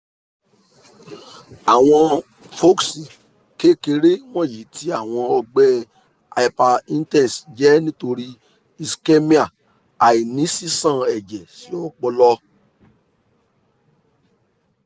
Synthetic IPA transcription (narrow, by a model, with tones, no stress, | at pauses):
a˨w̃ɔ̃˧ | fo˦ksi˨ | ke˦ke˧ɾe˦w̃ɔ̃˦˨ji˨˦ti˦a˦˨w̃ɔ̃˧ɔ˧ɡ͡bɛ˦ | a̰˧i˧pa˧ĩ˦n˦tɛ̃˦˨si˨d͡ʒɛ˨˦nĩ˦to˧ɾi˦ | i˧ske˦mĩ˦a˨ | a˨i˨nĩ˨˦si˦sã˦˨ɛ˨d͡ʒɛ˨si˨˦o˦k͡pɔ˧lɔ˧